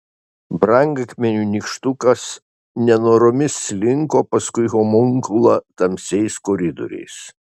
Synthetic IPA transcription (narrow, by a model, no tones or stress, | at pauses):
bɾɐŋɡɐkʲmʲɛnʲuːnʲiˑkʃt̪ʊkɐs | nʲɛnoːɾɔmʲɪsʲlʲɪŋkoːpɐskʊɪɦɔmɔŋkʊlˠɐt̪ɐmʲsʲɛɪskɔɾʲɪd̪ɔ̰ɾʲɛ̰ɪs